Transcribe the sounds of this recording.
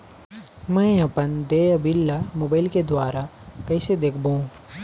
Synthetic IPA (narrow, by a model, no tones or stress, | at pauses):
mɛ̃ːɐpənd̪eːɐbɪlːamoːbaːɪlked̪waːɾa | kɐɪsed̪eːkʰbũ